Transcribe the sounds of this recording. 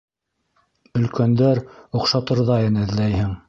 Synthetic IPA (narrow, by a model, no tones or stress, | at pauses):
ɵ̆lkænd̪æɾŏqʃɑt̪ɤ̆ɾðɑjɤ̆nɘ̆ðlæjhɘŋ